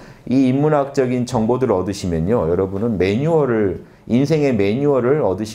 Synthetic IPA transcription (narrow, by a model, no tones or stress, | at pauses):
iːmːunɦak̚t͡ɕ͈ʌɡint͡ɕʌŋbodɯɾɯʌdɯɕʰimjʌɲojʌɾʌbunɯnme̞ɲuʌɾɯɭ | insʰe̞ŋe̞me̞ɲuʌɾɯɭʌdɯɕʰ